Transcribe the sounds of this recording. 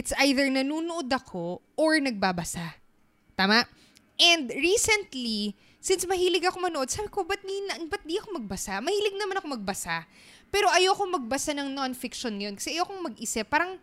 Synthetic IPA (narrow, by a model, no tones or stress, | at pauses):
ɪt̪sʔajðɛɹnɐnuːnoʔod̪ɐkʰo̞ʔoɹnɐɡ̚baːbɐsa | t̪aːmaʔ | ʔɛnd̪ɹiːsɛnt̪li | sɪnsmɐɦiːlɪɡɐkomɐnoʔo̞d̪̚saːbɪko̞bɐt̪̚d̪inɐŋbɐt̪̚d̪iɐkomɐɡ̚bɐsamɐhiːlɪɡ̚nɐmanɐkomɐɡ̚bɐsa | pɛːɾo̞ʔɐjoɐko̞mɐɡ̚bɐsanɐŋnonfɪkʃonŋɐjo̞nkɐsɛʔɐjoɐkoŋmɐɡɪsɛpaːɾɐŋ